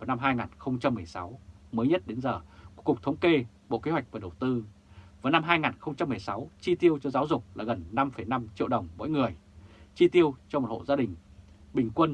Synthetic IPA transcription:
aː˨˩na˧mɦaː˧jŋaː˨˩nxə˧wŋ͡mt͡ɕa˧mːɨ˨˩əjsa˨˦wməː˨˦jɲə˦˥t̚ɗe˨˦nzəː˨˩ku˧˩˥kʊ˨˩k͡p̚t̪ʰə˨˦wŋ͡mke˧ | ɓo̰˧˨ke˨˦hwa˨˩k̟̚vaː˨˩ɗə˨˩wt̪ɨ˧ | vaː˨˦jna˧mɦaː˧jŋaː˨˩nxə˧wŋ͡mt͡ɕa˧mːɨ˨˩ə˩jsa˨˦wt͡ɕi˧t̪i˧əwt͡ɕɔ˧zaː˨˦wzʊ˨˩k͡p̚laː˨˩ɣə˨˩nːa˧mfə˨˩jna˧mt͡ɕḭ˧əwɗə˨˩wŋ͡mɓo̰˧˥˦jŋɨ˨˩əjt͡ɕi˧t̪i˧əwt͡ɕɔ˧mo˨˩t̚ho̰˧˨zaː˧ɗï˨˩ŋ̟ | ɓï˨˩ŋ̟kwə˧n

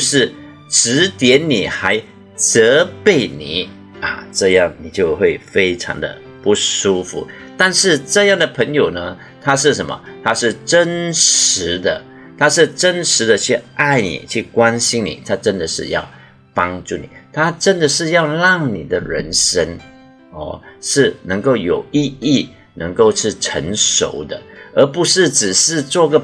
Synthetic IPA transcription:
ʂɻ̩˥˩ | ʈ͡ʂɻ̩˧˥t̪jɛ˧˥nni˨˩xa˧˥ɪ | t͡sɤ˧˥pe˥˩ɪnḭ˨˩˦ | a̰˨˩ʈ͡ʂɤ˥˧jɑ˥˩ŋni˨˩t͡ɕjo˥˧ʊxwe˥˩ɪfe˥ɪʈ͡ʂʰɑ̰˧˥ŋd̪ə̰˧ | pu˥˩ʂu˥fṵ˧˥˦ | t̪a˥˧nʂɻ̩˥˧ʈ͡ʂɤ˥˧jɑ˥˩ŋd̪ə˩pʰə˧˥ŋjo˨˩ʊnə˦ | t̪ʰa˥ʂɻ̩˥˩ʂə˧˦nmə̰˧t̪ʰa˥ʂɻ̩˥˩ʈ͡ʂə˥nʂɻ̩˧˥d̪ə˧ | t̪ʰa˥ʂɻ̩˥˩ʈ͡ʂə˥nʂɻ̩˧˥d̪ə˧t͡ɕʰy˥˧ʔa˥˩ɪnḭ˨˩t͡ɕʰy˥˩kwa˥nɕi˥nnḭ˨˩t̪ʰa˥ʈ͡ʂə˥nd̪ə˨ʂɻ̩˥˧jɑ̰˥˩ʊ | pɑ˥ŋʈ͡ʂu˥˩nḭ˨˩t̪ʰa˥ʈ͡ʂə˥nd̪ə˨ʂɻ̩˥˧jɑ˥˧ʊlɑ˥˩ŋni˨˩d̪ə˦ɻə̰˧˥nʂə˥n | ɔ̰˥˩ʂɻ̩˥˩nə˧˥ŋko˥˩ʊjo˨˩ʊi˥˧i˥˩ | nə˧˥ŋko˥˧ʊʂʰi˥˩ʈ͡ʂʰə̰˧˥ŋʂo̰˨˩ʊd̪ə˦ə˞˧˥pu˧˥ʂɻ̩˥˩ʈ͡ʂɻ̩˨˩ʂɻ̩˥˧t͡swɔ˥˩i˥ɡə˨

